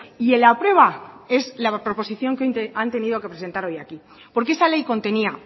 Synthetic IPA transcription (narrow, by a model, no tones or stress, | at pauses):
ie̞lapɾwe̞β̞ae̞zlapɾo̞po̞siθjo̞ŋkeoj̪eant̪e̞niðo̞ke̞pɾes̬e̞nt̪aɾo̞jaki | po̞ɾkee̞sale̞jko̞nt̪e̞nia